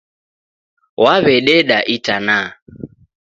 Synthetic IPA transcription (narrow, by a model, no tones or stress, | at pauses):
waβɛɗɛɗaʔitana